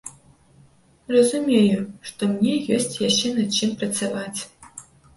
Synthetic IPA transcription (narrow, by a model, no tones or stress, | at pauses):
rɐzumʲejuʂt̪omnʲejosʲtʲjaɕenɐt͡ɕimprɐtt͡s̪ɐvatʲ